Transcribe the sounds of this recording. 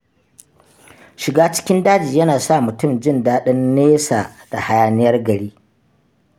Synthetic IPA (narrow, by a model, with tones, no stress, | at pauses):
ʃɪ˨ɡaː˦t͡ʃɪ̥˦kʲɪ˦ndaː˦d͡ʒiː˨jɐ˦naː˨sa˦˨mʊ˨tʊ˦˨md͡ʒɪ˦ndaː˦ɗɐ˦nːeː˦saː˨d̥a˨ha˦jaː˦nɪ˦jɐ˦rɡɐ˨ɽiː˦